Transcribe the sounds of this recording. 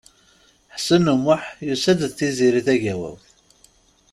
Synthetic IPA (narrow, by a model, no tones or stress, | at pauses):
ħsənumʊħjusæd̪θiziɾiθæʝæwæ̰w